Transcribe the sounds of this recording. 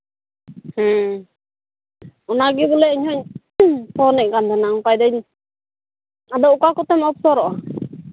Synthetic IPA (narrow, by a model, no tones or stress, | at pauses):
hə | ɔnaɡibulɛiɲhɔɲ | sɔnɛʔkand̪ɛnaŋpajd̪ɛɲ | ad̪ɔʔukakɔt̪ɛmɔp̚sɔɾɔʔa